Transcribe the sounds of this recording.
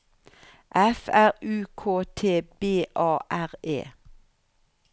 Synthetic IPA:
ʔɛfæʁʉːkʰoːt̪ʰeːbeːʔɑːʔæʁḛː

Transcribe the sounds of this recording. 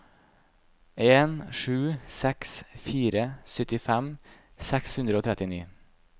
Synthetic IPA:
eːnʂʉːsɛksfiːɾəsœt̪ɪfæm | sɛkshʉnd̪ɾəoːt̪ʰɾɛt̪ɪnḭː

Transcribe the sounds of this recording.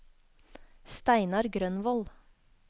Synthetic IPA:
st̪æɪnɑɾɡɾœnʋɔl

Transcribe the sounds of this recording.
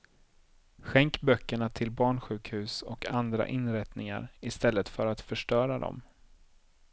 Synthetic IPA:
ɧɛŋkbœkːəɳat̪ʰɪlbɑːɳɧʉ̟ːkhʉ̟ːsɔkʰand̪ɾa̰ʔɪnɾɛt̪nɪŋa̰ɾɪst̪ɛlːət̪fœɾat̪fœʂʈœːɾad̪ɔ̰m

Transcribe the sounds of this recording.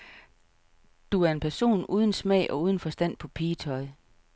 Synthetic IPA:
d̥uæɐe̝npʰæɐso̝̰ːnuːð̞ˠən̩smɛ̰ɪ̰ʔɒ̽uːð̞ˠən̩fɒ̽sd̥æn̰pʰɒ̽pʰiːt͡sʰɒ̽ɪ

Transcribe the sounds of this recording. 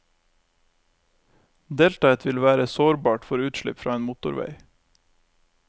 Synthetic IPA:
d̪eːlt̪ɑːət̪ʋɪlʋæːɾəsoːɾbɑːʈfɔɾʉːt̪ʃlɪ̰pfɾɑ̰ːeːnmʊt̪ʊɾʋḛɪ

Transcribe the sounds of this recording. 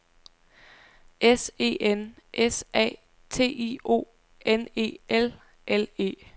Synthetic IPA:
ese̝̰ːenʔesʔɛ̰ː | t͡sʰe̝̰ːḭːo̝̰ː | ene̝̰ːel | ʔele̝̰ː

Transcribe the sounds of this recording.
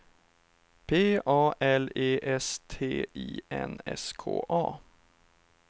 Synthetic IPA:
pʰeːʔɑːʔɛleːʔɛst̪ʰeːiːɛnɛskʰo̰ːʔɑː

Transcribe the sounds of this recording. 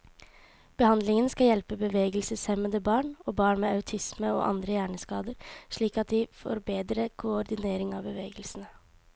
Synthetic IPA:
b̥əhɑnd̪lɪŋənskɑjɛlpəbəʋeːɡəlsəsɛmənd̪əbɑːɳoːbɑːɳmeːɑʉt̪ʰɪsməo̰ːʔɑ̰nd̪ɾəjæːɳəskɑːd̪əɾʂɭiːkɑt̪̚d̪ɪfɔ̰ɾbeːd̪ɾəkʰʊɔɾd̪ɪneːɾɪŋɑːʋbəʋeːɡəlsənə

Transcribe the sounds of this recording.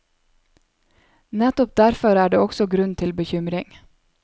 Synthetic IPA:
nɛt̪ɔp̚d̪æɾfɔɾæːɖeːɔksɔɡɾʉnt̪ʰɪlbəçʏmɾɪŋ

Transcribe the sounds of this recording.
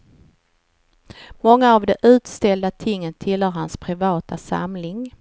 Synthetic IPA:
mɔŋːaːvd̪ɛʔʉ̟ːt̪st̪ɛld̪at̪ʰɪŋːət̪ʰːɪlhœːɾhanspʰɾɪvɑːt̪asa̰mlɪŋ

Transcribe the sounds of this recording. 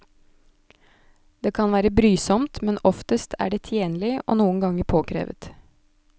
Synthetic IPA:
d̪̥eːkʰɑnʋæːɾəbɾyːsɔmt̪mɛnɔft̪əst̪ʰæ̰ːɖeːt̪ʰjeːnlɪʔo̰ːnuːənɡɑŋəɾpʰoːkʰɾḛːʋə̰t̪

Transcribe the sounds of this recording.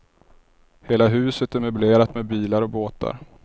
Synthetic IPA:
heːlaɦʉ̟ːsət̪æɾmɵbleːɾat̪mɛːd̪̚biːlaɾɔboːt̪a̰ɾ

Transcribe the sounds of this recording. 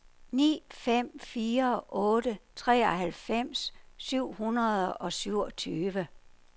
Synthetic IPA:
nḭːfem̰fiːɐʔɔ̽ːɾət͡sʰʁɛ̰ːɒɦælfem̰sːyʊ̰hunɐðˠɒ̽syʊ̰ɒt͡sʰyːʋə

